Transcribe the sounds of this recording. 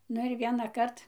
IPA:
ˈnʊ ɪr ˌʋʲiɛnɐˈkɐrt

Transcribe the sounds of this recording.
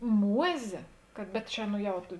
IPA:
ˈmuɔzʲeː kɐt bʲɛt ˈt͡ʃʲɛ nʊ ˈjɛʊ tʊ

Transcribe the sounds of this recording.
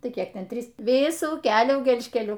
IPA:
ˈtɐɪ ˈkʲiɛk ˈtʲɛn ˈtʲrʲiːs ˈʋʲɪsuː ˈkʲæːlʲuː ɡʲɛlʲʃʲkʲɛˈlʲʊ

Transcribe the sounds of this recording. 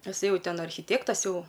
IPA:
tɐˈsɐɪ ˈjɛʊ ˈtʲɛn ɐrʲxʲɪˈtʲeːktɐs ˈjɛʊ

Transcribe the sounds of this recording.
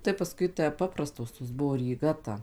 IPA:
tɐɪ pɐˈskʊɪ tʲæː ˈpɑːprɐstoːs toːs ˈbʊʋoː rʲiːˈɡɐ tɐ

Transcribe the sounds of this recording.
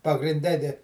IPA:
pɐɡrʲɪnʲˈdʲɛ dʲɪ

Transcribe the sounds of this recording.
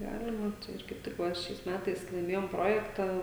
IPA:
ˈɡɑːlʲɪmɐ tɐɪ ˈɪr kɐɪp ˈtʲɪk ˈʋɐ ˈʃʲɛɪs ˈmʲæːtɐɪs lˠɐɪˈmʲeːjoːm ˈproːjɛktɑː

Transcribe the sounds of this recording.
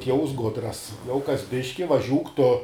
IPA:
ˈtʲiɛʊs ˈɡʊdrɐs jɛʊ kɐs ˈbʲɪʃʲkʲɪ ʋɐˈʒʲuːk tʊ

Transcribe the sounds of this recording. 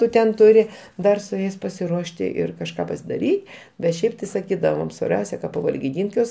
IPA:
ˈtʊ tʲɛn ˈtʊrʲɪ ˈdɐr sʊ ˈjɛɪs pɐsʲɪˈruɔʃʲtʲɪ ˈɪr kɐʃˈkɑː pɐsʲɪdɐˈrʲiː bʲɛt ˈʃʲɛɪp tʲɪ sɐˈkʲiːdɐʋoːm sʋɐrʲˈbʲɛʊsʲɛ kɐ pɐʋɐlʲɡʲɪˈdʲiːnʲtʲ ˈjuɔs

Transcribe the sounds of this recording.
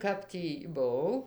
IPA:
ˈkɐp tʲiː bʊˈɐʊ

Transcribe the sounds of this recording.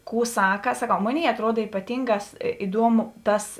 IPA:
ˈkuː ˈsɑːkɐ sɐˈkɐʊ ˈmoːˌnʲeːɪ ɐtˈruɔt iːpɐˈtʲiːŋɡɑːs ɪˈduɔmʊ ˈtɐs

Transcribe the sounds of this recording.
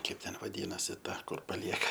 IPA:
ˈkɐɪp ˈtʲɛn ʋɐˈdʲiːnɐsʲɪ ˈtɐ ˈkʊr pɐˈlʲiɛkɐ

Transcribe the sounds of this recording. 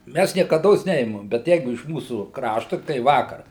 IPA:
ˈmʲæs nʲiɛkɐˈdoːs ˈnʲɛɪmɐm bʲɛt ˈjɛɪɡʊ ɪʃ ˈmuːsuː ˈkrɑːʃtʊ tɐɪ ˈʋɑːkɐr

